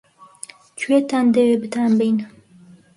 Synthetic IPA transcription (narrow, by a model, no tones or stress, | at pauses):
t͡ʃʰwet̪and̪ewebɨt̪ʰaːnbɛjn